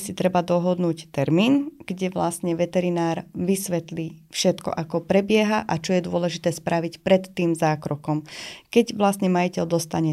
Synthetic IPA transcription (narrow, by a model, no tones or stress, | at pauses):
sit̪ɾɛbad̪ɔɦɔd̪nuːct̪ɛɾmiːnɡ̥ɟɛʋla̰st̪ɲɛʋɛt̪ɛɾinaːɾʋisʋɛt̪liːfʃɛt̪kɔ̰ʔakɔpɾɛbɪɛɦaʔat͡ʃɔjɛd̪ʊɔlɛʒit̪ɛːspɾaʋicpɾɛt̪ːiːmzaːkɾɔkɔmkɛɟʋlast̪ɲɛmajicɛld̪ɔst̪aɲɛ